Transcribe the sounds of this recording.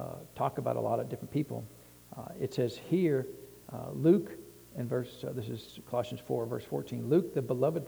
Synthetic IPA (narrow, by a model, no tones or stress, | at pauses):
tʰɔkəbaʊɾʔə̰lɔɾʌvdɪfɹə̃npʰipl̩ˠ | ɨtsɛz̥hiɹ | lʉk | ɨ̃nvɜ˞sðɪsɨz̥kʰəlɑʃɨ̃n̩z̥fɔɹvɜ̰˞sfɔ̰ɹtʰĩnlʉk̚ðɨbəlʌvɨd̚